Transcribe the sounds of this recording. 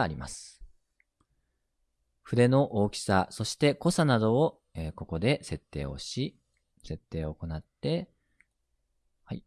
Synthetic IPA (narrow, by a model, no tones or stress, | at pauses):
ɾʲima̰sɨ̥ | ɸɯ̟d̪e̞no̞ʔo̞ːkʲi̥saso̞ɕi̥t̪e̞ko̞sanad̪o̞ː | eːko̞ko̞d̪e̞se̞t̪ːe̞̰ːo̞̰ɕi | se̞t̪ːe̞ːoko̞nat̪ːe̞ | hai